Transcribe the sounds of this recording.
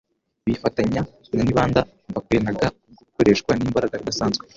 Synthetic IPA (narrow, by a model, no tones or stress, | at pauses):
βifataɲa | naniβaːnda | mvakwenaɡa | ɡukoɾe̞ʃkwanimbaɾaɡaidasaːnzɡwe